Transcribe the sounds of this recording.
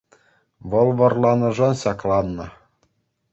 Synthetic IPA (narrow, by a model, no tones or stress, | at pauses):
ʋɤ̆lˠʋɤ̆rlˠɑnɤ̆ʐɤnɕɑklˠɑnːɤ̆